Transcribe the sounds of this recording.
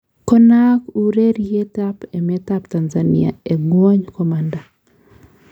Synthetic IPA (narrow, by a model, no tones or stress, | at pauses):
kɔnakuɾeɾietapɛmɛtaptanzanḭa̰eɡwɔɲkɔmanda